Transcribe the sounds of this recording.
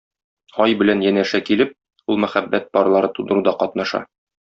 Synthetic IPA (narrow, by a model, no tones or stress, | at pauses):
ɒjbɘ̆lænjænæʃækilɘp̚ | ulˠmæχæbːæt̪̚bɒɾlˠɑɾɤt̪ud̪ɤ̆ɾud̪ɑqɒt̪̚nɑʃɑ̰